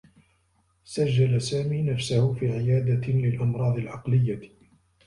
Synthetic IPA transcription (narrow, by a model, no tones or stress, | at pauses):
sad͡ʒːalasaːmiːnafsahʊfiːʕɪjaːd̪alɪlʔɑmɾˤɑːd̪ˤɪlʕɑqlɪjːa